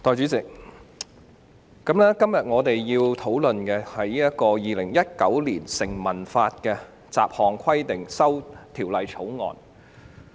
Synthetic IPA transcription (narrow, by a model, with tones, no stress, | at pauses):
t̪ɔː˨˧jt͡ʃyː˨˥t͡sɪ˨k̚ | ɐ˨˦˥mnɛː˥kɐ˥mjɐ˨t̚ŋɔː˨˧t̪e˨jjiː˧wt̪ʰo˨˥wlɵ˨nkɛ˧hɐ˨jiː˥ɐ˥t̚kɔː˧jiː˨lɪ˨˩ŋjɐ˥t̚kɐ˨˥wliː˨˩nsɪ˨˩ŋmɐ˨˩nfaː˧t̚kɛː˧ | t͡sa̰ː˨p̚hɔː˨ŋkʰɐ˥jt̪ɪ˨ŋsɐ˥wt̪ʰiː˨˩wlɐ˨˧jt͡sʰo˨˥wŋɔ̰ː˨˩n